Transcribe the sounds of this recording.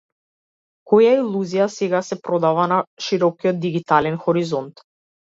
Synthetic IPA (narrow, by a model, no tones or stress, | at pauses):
kɔjailˠuzijasɛɡasɛpɾɔd̪avanaʃiɾɔkijɔd̪̚d̪iɡit̪alɛnxɔɾizɔnt̪